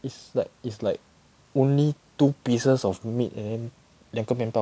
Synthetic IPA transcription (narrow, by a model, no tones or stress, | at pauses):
itslaɪk̚itslaɪk̚ | õnlitupisəsɔfmitɛ̰̃ndɛ̃n | dãŋkəmɛ̃mpa